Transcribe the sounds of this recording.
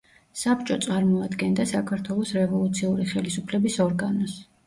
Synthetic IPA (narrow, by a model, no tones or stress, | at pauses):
sapʰt͡ʃʼɔt̪sʼaɾmɔad̪ɡɛnd̪asakʰaɾt̪ʰwɛlˠɔsɾɛvɔlˠut̪sʰiuɾiχɛlisupʰlɛbisɔɾɡanɔs